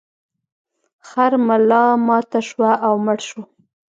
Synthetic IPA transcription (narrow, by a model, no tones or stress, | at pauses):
xaɾmalɑmɑt̪aʃwaʔawməɽʃu